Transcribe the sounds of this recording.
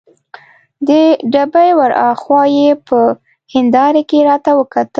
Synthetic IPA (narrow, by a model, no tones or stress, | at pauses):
d̪əɖabajwaɾɑ̰xwɑjepə | hɪnd̪ɑɾekeɾɑt̪awəkat̪ə